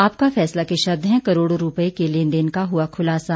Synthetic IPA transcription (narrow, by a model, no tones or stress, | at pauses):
aːpkafɛːslakeʃɐbd̪ʱɦɛ̃kɐɾoːɽoɾʊpekelend̪ɪnkaɦʊakʰʊlaːsa